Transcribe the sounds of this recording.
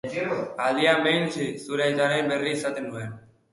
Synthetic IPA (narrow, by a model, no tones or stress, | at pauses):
aðiambejnsisuɾajt̪aɾemberiːsat̪enuen